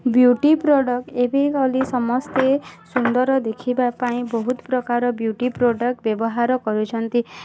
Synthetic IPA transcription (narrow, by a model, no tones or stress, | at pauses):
bjuʈipɾoɖɔk̚ʈebikɔlisɔmɔst̪esund̪ɔɾɔd̪ekʰibapãĩbɔɦut̪pɾɔkaɾɔbjuʈipɾoɖɔk̚ʈbjɔbɔɦaɾɔkɔɾut͡ʃʰɔnt̪i